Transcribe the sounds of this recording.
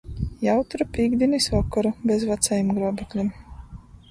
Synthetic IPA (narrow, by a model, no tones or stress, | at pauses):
jawt̪ɾupʲiːɡd̪ʲinisɔkːɔɾubʲezvat̪sajimɡɾɔɔbɛklʲim